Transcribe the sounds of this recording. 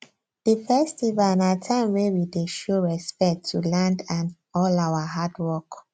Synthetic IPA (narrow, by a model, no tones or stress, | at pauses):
d̥əfɛstivalnatʰãɪ̃mwewideʃoɹɛspɛk̚tʰːulãndãn | ɔlawaɦadwɔk